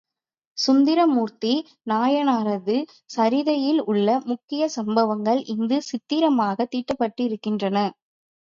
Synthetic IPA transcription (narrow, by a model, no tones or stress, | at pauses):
sʊnd̪ɪɾɐmuːɾt̪i | naːjɐnaːɾɐðɯ | sɐɾɪðɐjɪlʊɭːɐmʊkːɪjɐsɐmbɐʋɐŋɡɐɭʔɪnd̪ɯsɪt̪ːɪɾɐmaːɣɐt̪ːiːʈːɐpːɐʈːɯɪɾɯkːɪndrɐnɐ